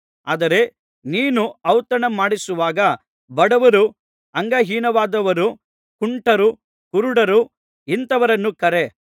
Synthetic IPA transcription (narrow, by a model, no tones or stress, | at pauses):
a̰ːd̪ɐɾe̞ | niːnuɐwt̪ɐɳɐmaːɽisuʋaːɡɐ | bɐɽɐʋɐɾu | ɐŋɡɐɦiːnɐʋaːd̪ɐʋɐɾu | kuɳʈɐɾu | kuɾuɽɐɾu | int̪ɐʋɐɾɐnːukɐɾe̞